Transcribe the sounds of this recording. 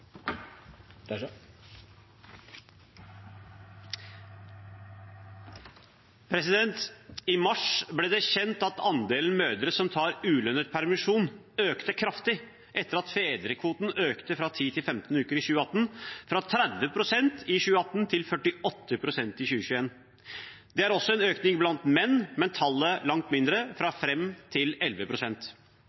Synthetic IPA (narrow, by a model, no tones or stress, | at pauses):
pʰɾɛsɪd̪ɛnt̪ɪmɑʂblɛːd̪ɛçɛnt̪ɑt̪ɑnd̪eːln̩møːd̪əɾəsɔmt̪ʰɑːɾʉːlœnət̪̚pʰæɾmɪʂuːn | øːkt̪əkʰɾɑft̪ɪ | ʔɛt̪ːəɾɑt̪feːd̪ɾəkʰʋuːt̪n̩øːkt̪əfɾɑt̪ʰiːt̪ʰɪlfɛmt̪n̩ʉːkəɾɪɕʉːəɑt̪ːn̩fɾɑt̪ʰɾæd̪ʋəpʰɾʊsɛnt̪ɪɕʉːəɑt̪ːnt̪ʰɪlfœʈːɪɔt̪ːəpʰɾʊsɛnt̪ɪɕʉːəɕʉːeːn | d̪̥ɛæɾɔsɔɛnøːknɪŋblɑnt̪mɛnːmɛnt̪ʰɑlːəlɑŋt̪mɪnd̪ɾəfɾɑfɾɛmt̪ʰɪlɛlʋəpʰɾʊsɛnt̪